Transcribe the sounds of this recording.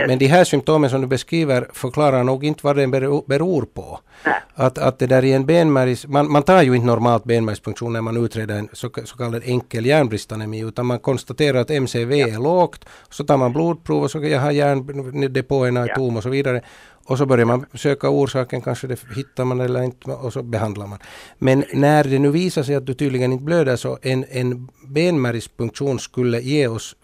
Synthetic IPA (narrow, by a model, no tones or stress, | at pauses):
mɛnd̪ɪɦæːsʏmp̚t̪oːməns̬ɔmd̪ɵbɛskɾiːʋəɾfœɾkʰlɑːɾaɾɳuːɡɪnt̪vɑɖɛnbɛbɛɾuːɾpʰɔ̰ | at̪a̰t̪̚d̪ɛd̪æːɾɪɛnbeːnmæɾɪsmanmant̪ʰɑːɾjɵɪnt̪ənɔɾmɑːlt̪̚beːnmæɾsfɵŋkt̪ʂuːnːæɾmanʉːt̪ʰɾeːd̪əɾɛnssɔkʰɑlːad̪ɛŋkːəljæːɳbɾɪst̪anɛmiːʉ̟ːt̪anmankʰɔnst̪at̪eːɾaɾat̪ɛmseːveːæɾɭoːkt̪sɔt̪ɑːɾmanbluːd̪̚pʰɾuːvɔsɔjɑːɦɑjæːɳɛd̪ɛpoɛnɑt̪uːmɔsɔviːd̪aɾə | ɔs̬ɔbœɾjaɾmansøːkauːɾʂɑːkənkʰanʂəd̪ɛhɪt̪ːaɾmanɛlːəɾɪnt̪ɔsɔbɛɦɑnd̪laɾmanmɛnːæɾd̪ɛnʉ̟ːviːsaʂɛjɑt̪̚d̪ɵt̪yːd̪lɪɡənɪnt̪əbløːd̪æʂɔʔɛnɛnbeːnmæɾɪspɵŋkt̪ʂuːnskɵlːəjeːɔs